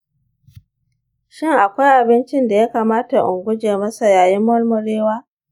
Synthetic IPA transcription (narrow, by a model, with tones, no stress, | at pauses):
ʃɪ˦ŋʔa˨kʷa˦jʔa˨bɪ˦nt͡ʃɪ˦nda˨ja˦ka˨maː˦ta˨ʔʊ˨ŋɡʷʊ˦d͡ʒeː˨mɐ˦sa˨jaː˨ji˦mːɔ˦lmʊ˨ɾeː˦waː˦